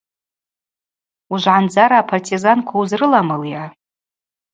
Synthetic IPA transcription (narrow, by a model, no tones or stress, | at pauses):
uʒʷʕand͡zaɾaːpʰartʰizankʷʰauzrɨlamɨlja